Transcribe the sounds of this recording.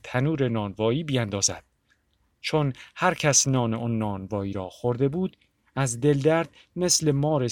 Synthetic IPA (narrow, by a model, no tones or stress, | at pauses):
t̪ʰænuːɾe̞nɒːnvɒːiːbijænd̪ɒːzæ̰d̪̥̚ | t͡ʃʰonhæɾcʰæsnɒːneonːɒːnvɒːiːɾɒːxoɾd̪e̞buːd̪̥ | æzd̪e̞ld̪æɾd̪̥ | me̞slemɒːɾe̞